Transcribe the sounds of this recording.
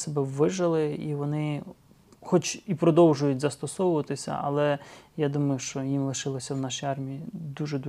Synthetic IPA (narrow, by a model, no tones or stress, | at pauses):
sɔbɛʋɪʒɐlˠɪiʋɔnɪ | xɔt͡ʃipɾɔd̪ɔwʒʊjʊtʲzɐst̪ɔsɔwʊʋɐt̪ɪsʲɐ̰ʔɐ̰lˠɛjad̪umɐjʊʃt͡ʃɔjimlˠɪʃɪlˠɔsʲɐwnɑʃijɑrmʲijid̪uʒɛd̪u